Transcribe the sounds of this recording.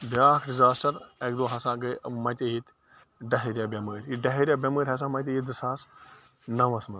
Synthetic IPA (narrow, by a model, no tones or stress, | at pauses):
bʲjaːkʰɖizaːsʈɐɾek̚d̪oːɦɐsãːɡɐɐmɐ̃t̪ʲejit̪ | ɖɐɦeɾʲjaːbʲɐməːɾʲiɖɐɦeɾjaːbʲɐməːɾʲɦɐs̬ãːmɐ̃t̪ʲejit̪̚d͡zɐsaːs | nɐʋɐsmɐ